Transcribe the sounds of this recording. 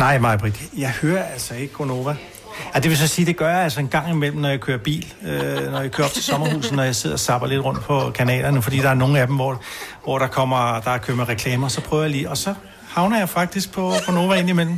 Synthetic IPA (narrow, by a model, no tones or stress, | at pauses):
nɑ̈ɪ̰mɑ̈ɪb̥ʁid̥ijɑ̈ɪhøːɐæl̰sɒe̝ɡ̥əɡ̥ʁono̝ːʋæ | æd̥e̝ʋe̝sɒ̽siːd̥e̝ɡ̥ɶɐjaælsɒe̝nɡ̥ɑ̈ŋ̰imel̰m̩nɒjäkʰøːɐb̥ḭːlønɒjäkʰø̰ːɐɒ̽b̥t͡sʰe̝sɒ̽mɐhṵːs̩ˠnɒjɑ̈ɪse̝ð̞̰ˠɐɒsɑ̈b̥ɐle̝d̥ʁɔ̽n̰d̥pʰɒ̽kʰænɛ̰ːlɐnəfɒd̥ḭːd̥ɑ̈æɐno̝ːŋ̩æd̥em̩ʋɒʋɒɾ̥ɑ̈kʰɒ̽m̰ɐd̥ɑ̈æɐkʰøɐmeʁɛkʰlɛːmɐsɒ̽pʰʁ̥œːʊɐjalḭːɒ̽sɒ̽ | hɑ̈ʊnɐjɑ̈ɪfɑ̈ɡ̥̚d̥isɡ̥̚pʰɒ̽ɡ̥o̝no̝ʋæe̝n̰imel̰m̩